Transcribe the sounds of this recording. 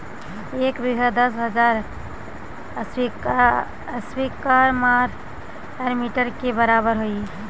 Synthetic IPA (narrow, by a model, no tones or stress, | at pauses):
ekbiɡʱəd̪əsɦəd͡ʒaɾ | si | əswikaɾmaɾ | eɾmiʈəɾkebəɾabəɾɦoj